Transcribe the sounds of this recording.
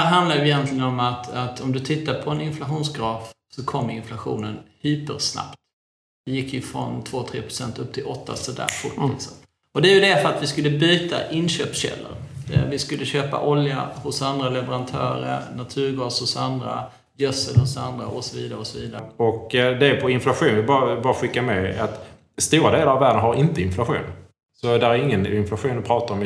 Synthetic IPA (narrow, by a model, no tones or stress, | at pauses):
æɾɦand̪aɾjəɪjɛnt̪lɪɡənɔmat̪at̪ɔmd̪ɵt̪ʰɪt̪ːapʰɔɛnɪnflaɧuːnsɡɾɑːfsɔkʰɔmːɾɪnflaɧṵːnənhyːpəɾsna̰pt̪ | vɪjɪkːjɵfɾɔnt̪ʰvoːt̪ʰɾeːpʰɾʊ̥sɛnt̪ɵp̚ːt̪ʰɪlɔt̪ʰːa̰sɔd̪æ̰ːɾfʊʈɪ̰sə | ɔd̪ɛjɵd̪ɛfəɾat̪vɪskɵlːəbyːt̪a̰ʔɪnɕøːpɕɛ̰lːə̰ɾvɪskɵlːəɕøːpa̰ʔɔlja̰hʊsand̪ɾalɛvəɾant̪ʰœ̰ːɾə̰ɾnat̪ʰʉ̟ːɾɡɑːsʊsand̪ɾa̰ | jœsəɾhʊsand̪ɾaʔɔsɔviːd̪aɾəɔsɔviːd̪aɾɔkd̪ɛpʰɔɪnflaɧuːnvɪlbɑːabɑːɾaɧɪkːamɛat̪ | st̪uːɾad̪eːlaɾavːæːɖənɦaɾɪnt̪əɪnflaɧṵːn | sɔd̪æɾæɾɪŋːənɪnflaɧuːnd̪ɪpʰɾɑːt̪aɾɔm